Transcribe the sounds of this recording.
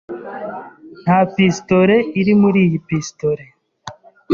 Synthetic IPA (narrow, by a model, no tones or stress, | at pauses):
n̥haːpistoɾeiɾimuɾiːjipistoɾe